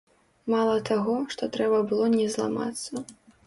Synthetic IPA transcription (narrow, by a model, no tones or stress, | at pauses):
malˠɐt̪aɣɔʂt̪ɔt̪ɾɛbɐbɨlˠɔnʲɛzlˠa̰ma̰t̪sːɐ